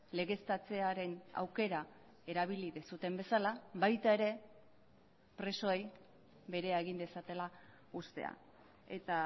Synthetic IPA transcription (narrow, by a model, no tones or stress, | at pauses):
le̞ɣe̞st̪at͡se̞aɾe̞na̰wke̞ɾa | e̞ɾaβ̞iliðesut̪e̞mbe̞salaβajt̪ae̞ɾe̞ | pɾe̞so̞ej | βe̞ɾe̞aeɣ̞ind̪e̞sat̪e̞la | ust̪e̞̰a̰ | e̞t̪a